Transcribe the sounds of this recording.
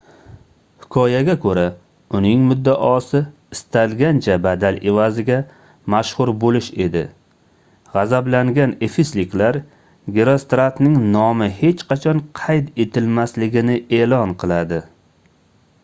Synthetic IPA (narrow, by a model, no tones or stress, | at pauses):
hɪkʰɒjaɡʲakʰɵɾa | ʊnɪŋmʊd̪ːaʔɒsɪ | ɪst̪ʰalɡʲant͡ʃʰabad̪alɪvazɪɡʲa | maʃhʊɾbolɪʃe̞d̪ɪ̰ | ʁɑzablaŋɡʲanefislɪkʲlaɾ | ɡʲeɾost̪ɾat̪nɪŋnɒmɪhe̞t͡ʃqʰɑt͡ʃʰɒnqʰɑjt̪e̞t̪ʰɪlmaslɪɡʲɪnɪe̞lɒnqʰɨlˠad̪ɪ